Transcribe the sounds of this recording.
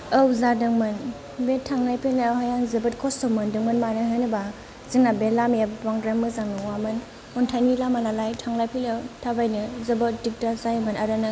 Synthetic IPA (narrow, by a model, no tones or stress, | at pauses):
ɐwzadɯŋmɯn | betʰːaŋlajpʰilnɯɦajanzɐbɯt̚kʰɔstɔmɯndɯŋmɯnmanɯɦɯnɯba | ziŋnabelamebaŋɾamːɯzaŋnɯwamɯn | ɔntʰajnilamanalajtʰaŋlajpʰilawtʰabajnɯzɐbadik̚tazajmɯnaɾɯnɯ